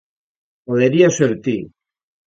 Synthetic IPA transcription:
oðeɾiaseɾt̪i

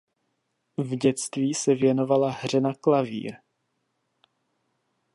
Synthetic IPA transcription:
vɟɛt͡st̪viːsɛvjɛno̞valaɦr̝ɛnaklavḭːɾ

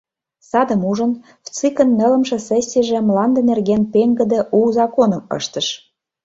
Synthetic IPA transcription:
sɑd̪ə̆muʒɤ̆n | ft͡sikə̆nːə̆lə̆mʃĕsesʲːiʒĕmlɑnd̪ɤ̆nerɣenpeŋɡə̆d̪ĕʔuzɑkonɤ̆mɤ̰ʃt̪ɤ̆ʃ

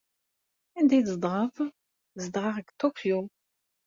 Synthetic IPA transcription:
ænd̪æjzəd̪ˤʁəf | zd̪ˤʁɑʁəɡt̪okʰju

